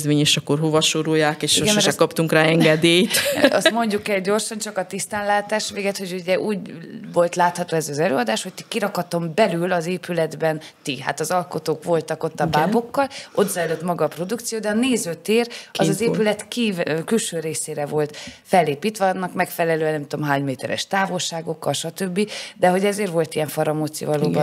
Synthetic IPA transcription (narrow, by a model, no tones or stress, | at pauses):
zmeːɲeʃɒkːorɦo̞vɒʃoɾujːaːkeːʃiɡɛmmɛɾɛkɒpt̪uŋkraːɛŋɡɛd̪eːjt̪ɒsmo̞ɲɟukɛlɟo̞rʃɒnt͡ʃɒkɒt̪ist̪aːnlaːt̪aːʃʋeːɡɛt̪ho̞ɟuɟɛʔuːɟvo̞lt̪laːt̪hɒt̪oːɛzɒzɛlø̰ːɒd̪aːʃho̞c̚t̪i̥kiɾɒkɒt̪o̞mbɛlylɒzeːpylɛd̪bɛnt̪iɦa̰t̪ɒzɒlko̞t̪oːkʋo̞lt̪ɒko̞t̪ːɒbaːbo̞kːɒlʔo̞t̪zɒɛløːt̪mɒɡɒːpro̞d̪ukt̪sijoːd̪ɛɒneːzøːt̪eːrɒ̰zɒzeːpylɛt̪kikylʃøːɾeːseːɾɛvo̞lt̪fɛlːeːpiːt̪ʋɛɒnːɒkmɛkfɛlɛløːɛnɛmt̪omɦaːɲmeːt̪ɛɾɛ̰ʃt̪aːvo̞lʃaːɡo̞kːɒlʃɒt̪ø̞bːid̪ɛɦo̞ɟɛzeːrvo̞lt̪ijɛɱfɒɾɒmot̪sḭvɒlo̰ːbɒ